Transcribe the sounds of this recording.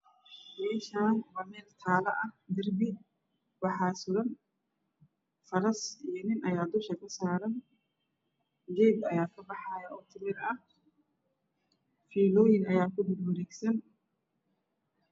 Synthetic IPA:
mɛːʃaːnwɐmɛːlt̪ʰaːlɐʔɐd̪ɐrbɪ | wɑħɑːsʊɾɐn | fɐɾɐsijɔnɪnʔɐjaːd̪ʊʃɐkʰɐsaːɾɐn | d͡ʒɛːd̪ɐjaːkʰɐbɑħɑːjɐɔːt̪ʰɪmɛðɐɐh | fiːlɔːjɪnɐjaːkʊd̪ɪdwɐɾɛːɡsɐn

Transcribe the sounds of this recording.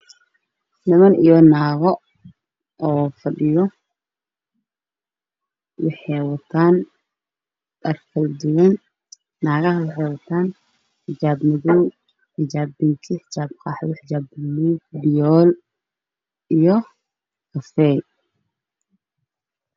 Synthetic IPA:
nɐmɐnijɔnaːɣɔ | ɔːfɐɗɪjɔ | wɑħɛjwɐt̪ʰaːn | ɗɐrkʰɐld͡ʒɪwɐnː | aːɣɐɦɐwɑħɛjwɐt̪ʰaːn | ħɪd͡ʒaːbmɪðuw | ħɪd͡ʒaːbɪŋkʰɪħɪt͡ʃaːbqɑːħwħɪd͡ʒaːblubɪjɔːl | ijɔ | kɐfɛj

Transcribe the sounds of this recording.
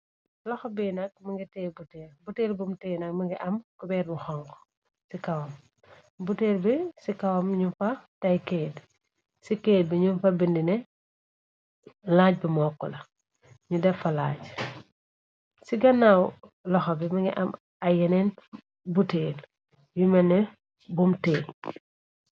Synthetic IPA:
lɔxɐbinɐk̚mɐŋɡitɛbutɛːɾbuteːlbumtɛjnɐk̚mɐŋɡiʔɐmkɔbɛːɾmuxɔŋkɔ̥ | sikɐwɐm | buteːrbisikɐwɐmɲumfɐtɐjked | sikeːd̚biɲumfɐbindinɛ | laːɟ̚bimɔːkːɔlɐ | ɲudɛfɐla̰ːɟ | siɡɐnːawlɔxɐbimɐŋɡiʔɐm | ɐjɛnɛn | buteːl | jumɛnɛ | bumteː

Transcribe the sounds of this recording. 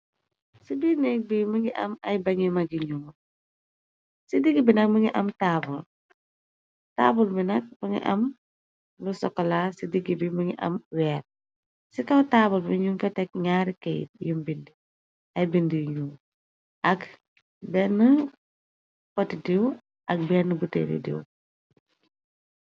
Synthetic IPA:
sidinɛk̚bimuŋiʔɐ̰mɐjbɐŋimɐɡiɲuŋ | sidiɡibinɐk̚məŋiʔɐmtabul | ta̰ːbulbinɐk̚məŋḭʔɐ̰m | lusɔkːɔlasidiɡibimuŋiʔɐ̰mwɛːr | sikɐwtaːbulmiɲuŋfɔtɛk̚ɲaːɾikɛjt̚jumbindi | ɐjbindijɲu | ʔɐk | bɛnːə | pɔtidiw | ʔɐk̚bɛnəbutɛ̰dḭdḭw

